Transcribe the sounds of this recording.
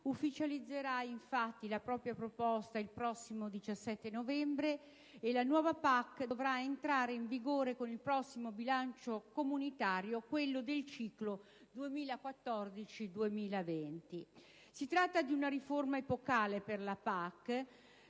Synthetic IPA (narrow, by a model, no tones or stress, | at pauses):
ufːit͡ʃalid̪zːeɾaiɱfat̪ːilapɾɔːpɾjapɾopɔst̪ailpɾɔsːimod̪it͡ʃasːɛt̪ːenovɛmbɾe | elanwɔːvapakːd̪ovɾaent̪ɾaːɾeiɱviɡoːɾekonilpɾɔsːimobilant͡ʃokomunit̪aːɾjokwelːod̪elt͡ʃiːklo | d̪uemiːlakwat̪ːɔrd̪it͡ʃid̪uemiːlavent̪i | sit̪ɾat̪ːad̪iunaɾiformaepokaːleperlapakː